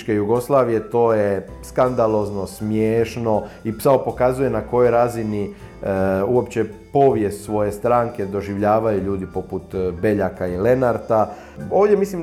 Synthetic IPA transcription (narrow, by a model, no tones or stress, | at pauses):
t͡ʃke̞juɡo̞slaːʋije̞t̪o̞ːje | skand̪alo̞zno̞smjeːʃno̞ipsaopo̞kazuje̞nako̞jo̞jɾazini | uo̞pt͡ɕe̞po̞ʋje̞st̪sʋo̞je̞st̪ɾaːŋke̞d̪o̞ʒiʋʎaːʋajuʎuːd̪ipo̞put̪be̞ʎakaile̞naɾt̪a | oːʋd̪jemislim